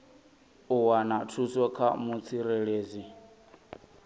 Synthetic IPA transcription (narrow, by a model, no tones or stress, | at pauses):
uwanatʰusɔkʰamut͡sʰiɾɛɺeːzi